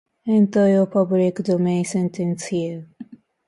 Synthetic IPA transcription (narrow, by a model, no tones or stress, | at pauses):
ɛ̃nt̪ojɔpʰʌblikdomẽnsɛ̃ntə̃nshi